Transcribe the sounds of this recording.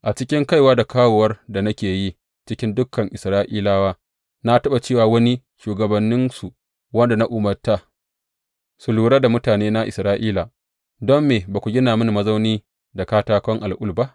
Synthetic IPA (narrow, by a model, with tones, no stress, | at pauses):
ʔa˨t͡ʃɪ˦kʲɪ˦ŋka˦jwaː˦da˨kaː˦woː˨wɐ˦rda˨nɐ˦kʲeː˨ji˦ | t͡ʃɪ˦kʲɪ˦ndʊ˦kʰːɐ˨ŋʔɪ˨sɾaː˦ʔiː˦laː˦waː˦ | na˦tɐ˦ɓa˨t͡ʃeː˦˨waː˨wɐ˦ni˦ | ʃuː˨ɡɐ˨bɐ˨nːɪ˦nsu˨ | wɐ˦nda˨na˦ʔuː˨mɐ˨rta˨ | su˨luː˨ɽa˦da˨mʊ˦taː˨neː˦na˦ʔɪ̰˨sɾaː˦ʔiː˦la˨ | dɔ˦mːeː˨baː˨kʷu˨ɡʲɪ˦naː˨mɪ˦n˨mɐ˦zɐa˦wniː˦ | da˨kaː˦taː˦kʷɔ˦ŋʔa˨lʔʊ˦lba˦ʔ